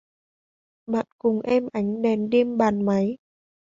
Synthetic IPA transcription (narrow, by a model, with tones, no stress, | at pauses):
ɓa̰ː˧˨nkʊ˨˩ŋ͡mʔɛ˧mʔa˨˦jŋ̟ɗɛ˨˩nɗe˧əmɓaː˨˩nma˨˦j